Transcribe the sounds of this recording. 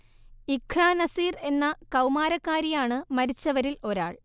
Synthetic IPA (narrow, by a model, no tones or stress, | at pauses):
ikʰraːnɐsiːre̞nːɐkɐwmaːɾɐkːaːɾijaːɳɨmɐɾit͡ɕːɐʋɐɾilo̞ɾa̰ːɭ